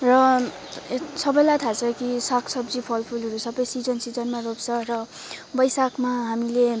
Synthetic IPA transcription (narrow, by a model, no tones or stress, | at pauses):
rʌ | sʌbʌjlajt̪ʰat͡sʰʌkisakʰsʌbd͡zipʰʌlpʰulɦʌɾusʌbʌjsid͡zʌnsid͡zʌnmaropt͡sʰʌrʌ | bʌjsakʰmaɦamile